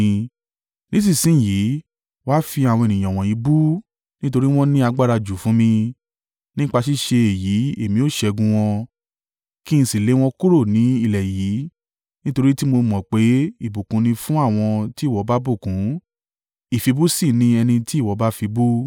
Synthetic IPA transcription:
nĩ˦sĩ˦˨sĩ˦˨ji˨˦ | wa˦fi˧a˨wɔ̃˧e˨nĩ˨j̃ã˨w̃ɔ̃˨ji˨˦bu˦ | nĩ˦to˧ɾi˦w̃ɔ̃˦nĩ˦a˧ɡ͡ba˦˨ɾa˧d͡ʒu˨fũ˨˦mĩ˧ | nĩ˦k͡pa˧ʃi˦ʃe˧e˨ji˨˦e˦˨mĩ˧˦o˦˨ʃɛ˧ɡũ˧w̃ɔ̃˧ | ki˦ñ̩˧si˨le˨˦w̃ɔ̃˧ku˦ɾo˦˨nĩ˨˦i˦˨lɛ˨jiː˨˦ | nĩ˦to˧ɾi˦ti˦mo˧mɔ̃˨k͡pe˨˦i˦˨bu˨kũ˨˦nĩ˧fũ˦a˦˨w̃ɔ̃˧ti˦˨wɔ˨˦ba˦bu˦˨kũ˨˦ | i˦˨fi˧bu˦si˦˨nĩ˧ɛ˧nĩ˧ti˦˨wɔ˨˦ba˦fi˧bu˦

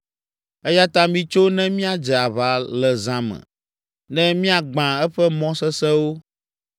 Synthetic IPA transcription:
ɛ˦ja˦t̪a˦mĩ˦t͡ʃo˦nɛ̃˦mĩ˦a˨d͡ʒɛ˨a˨βa˨lɛ˨zã˦mɛ̰̃˨ | nɛ̃˦mĩ˦a˨ɡ͡bã˨ɛ˦ɸɛ˦mɔ̃˦sɛ˦sɛ˦wo˦

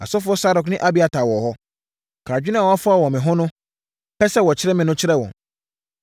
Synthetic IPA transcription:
a̰˨sɔ˦fʊ˦ɔ˦sa˦dʊ˨knɪ̃˦ʔa˦bi˦˨a˨tʰa˨wɔ˨hɔ˦ | kʰa˨d͡ʑᶣɪ˦nã˦˨wɔ˨a˦fʊ˦a˨wɔ̃˨mɪ̃˨ɦʊ̃˦nʊ̃˦ | pɛ˦sɛ˦wɔ˨t͡ɕʰɪ˦ɾɛ˦mɪ̃˨nʊ̃˦t͡ɕʰɪ˦ɾɛ˦˨wɔ̰̃˨ŋ

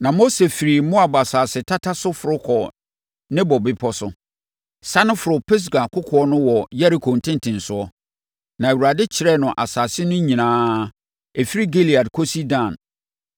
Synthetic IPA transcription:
nã˨mo˦se˨fi˨ɾi˨mʊ̃˦a˨bɔ˨a˨saː˨sɪ˨tʰa˦tʰa˦sʊ˦fʊ˨ɾʊ˦kʰɔ˨ | nɪ̃˦bɔ˨bɪ˦pʰɔ˦sʊ˦ | sa˦nʊ̃˦fʊ˨ɾʊ˨pʰɪ˦s̬ɡa˨kʰʊ˦kʰʊ˨˦ɔ˦nʊ̃˦wɔ˨ja˦ɾi˨kʰo˨n̩˨tʰɪ̃˦n˦tʰɪ̃˨n˨sʊ˦ɔ˦ | nã˨e˨wu˨ɾa˨dɪ˦t͡ɕʰɪ˨ɾɛ˦nʊ̃˨ʔa̰˨saː˨sɪ˦nʊ̃˦ɲĩ˨nãː˦ | e˨fi˦ɾi˦ɡe˦li˨a˨dkʰo˦si˦dã˨n

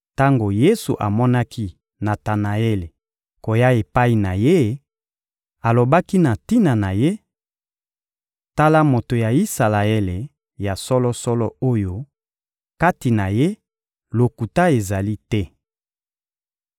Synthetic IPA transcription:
ta˦ŋɡo˨je˦sṵ˨ʔa˨mɔ˦na˦ki˦ | na˨ta˨na˨e˦le˨ | ko˨ja˦e˨pa˦i˨na˨je˦ | a˨lo˨ba˦ki˦na˨ti˦na˨na˨je˦ | ta˦la˦mo˨to˨ja˨i˦sa˨la˨e˦le˨ | ja˨sɔ˦lɔ˦sɔ˦lɔ˦o˦jo˦ | ka˦ti˨na˨je˦ | lo˨ku˨ta˦e˨za˨li˦tɛ˦

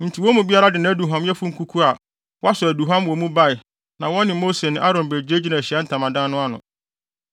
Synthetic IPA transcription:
n̩˨tʰi˨wɔ˦mũ˨bi˦a˦ɾa˦dɪ˨ñ˦æ˦du˨ɦã˦mjɛ˦fu˦ŋ̩˦kʰu˦kʰu˦a˨ | wɔ˦a˦sʊ˨æ˨du˨ɦã˦mwɔ˨mũ˦ba˦ɪ˨ | nã˨wɔ̃˦nːɪ̃˨mo˦se˨nɪ̃˨˦ʔa˦ɾɔ̃˨nbe˨d͡ʑe˦d͡ʑi˦nã˨ɕi˨˦a˦n̩˦tʰã˨mã˨dã˦nʊ̃˦a˦nʊ̰̃˨

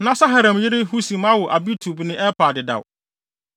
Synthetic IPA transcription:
nã˦sa˦ɦa˨ɾã˨m˨jɪ˦ɾɪ˦ɦu˦sĩ˨ma˦wɔ˨ʔa˨bi˦tʰu˨bnɪ̃˦ʔɛ˦paː˨dɪ˨da̰˨w

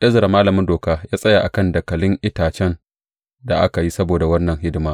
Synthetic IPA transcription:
ʔɐ˦zɐ˨ɾa˨maː˦lɐ˨mɪ˦ndoː˨kaː˦jaː˦sʼɐ˦ja˨ʔa˨kɐ˦ndɐ˨kɐ˨lɪ˦ŋʔɪ˦taː˨t͡ʃɛ˦n | da˨ʔa˦ka˨ji˦sɐ˦boː˨da˨wɐ˦nːɐ˨ŋɦɪ˦dɪ˨maː˦

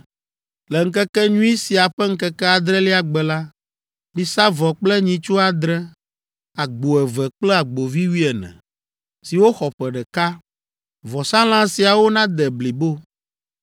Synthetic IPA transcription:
lɛ˨ŋ̩˦k̬ɛ˦kɛ˦ɲũ˦i˦si˨a˨ɸɛ˦ŋ̩˦kɛ˦kɛ˦a˨d̪ɾɛ˦li˦a˨ɡ͡bɛ˨la˦ | mĩ˨sa˦vɔ˨k͡plɛ˦ɲĩ˨t͡ʃo˦a˨d̪ɾɛ˦ | a˨ɡ͡bo˨ɛ˨vɛ˨k͡plɛ˦a˨ɡ͡bo˨vi˦wi˦ɛ˨nɛ̰̃˨ | si˨wo˦xɔ˨ɸɛ˨ɖɛ˨ka˦ | vɔ˨sa˦l̃ã˦si˨a˨wo˦nã˦d̪ɛ˨bli˨bo˦

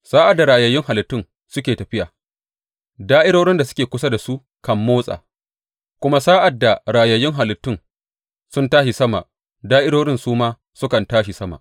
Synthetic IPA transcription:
saː˦ʔa˨dːa˨ɾaː˨jɐ˨jɪ˦ŋɦa˨lɪ˨tːɪ˦ŋ | sʊ˦kʲeː˨tɐ˨ɸɪ˦jaː˨ | daː˦ʔɪ˦ɽoː˦ɽɪ˦nda˨sʊ˦kʲeː˨kʷʊ˦sa˦da˨su˦ʔ | kɐ˨mːoː˦sʼa̰ː˨ | kʷʊ˦ma˦saː˦ʔa˨dːa˨ɾaː˨jɐ˨jɪ˦ŋɦa˨lɪ˨tːɪ˦ŋ | sʊ˦ntaː˦ʃi˨sɐ˦ma̰˨ʔ | daː˦ʔɪ˦ɽoː˦ɽɪ˦nsuː˦maː˦ | sʊ˦kɐ˨ntaː˦ʃi˨sɐ˦ma̰˨ʔ

